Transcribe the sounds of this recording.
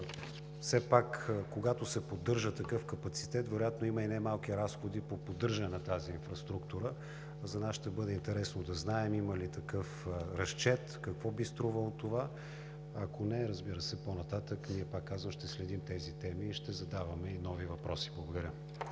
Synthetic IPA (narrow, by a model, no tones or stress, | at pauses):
fsɛpakkoɡat̪osɛpod̪ːɤɾʒət̪ɐkɤfkɐpɐt̪si̥t̪ɛt̪vɛɾojat̪noiməinɛmalˠkiɾasxod̪ipopod̪ɤɾʒənɛnɐt̪aziːnfɾɐst̪ɾukt̪uɾə | zɐnasʃt̪ɛbɤd̪ɛint̪ɛɾɛsnod̪ɐznaɛmiməlit̪ɐkɤfɾɐst͡ʃɛt̪kɐkvɔbist̪ɾuvəlˠot̪ova | ɐkonɛɾəzbiɾəsɛponɐt̪at̪əkniɛpakːazvəmʃt̪ɛslɛd̪imt̪ɛzit̪ɛmiːʃt̪ɛzɐd̪avɐmɛinɔvivɐpɾɔsi̥blˠɐɡod̪ɐɾʲə